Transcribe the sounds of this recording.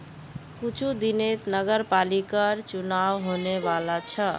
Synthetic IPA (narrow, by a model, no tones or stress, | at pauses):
kut͡ʃʰud̪inet̪nəɡəɾpalikəɾt͡ʃunawɦoneʋalat͡ʃʰə